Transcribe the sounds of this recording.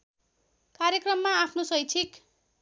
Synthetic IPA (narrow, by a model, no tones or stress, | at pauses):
kaɾjekrʌmːaapʰnosʌjt͡sʰik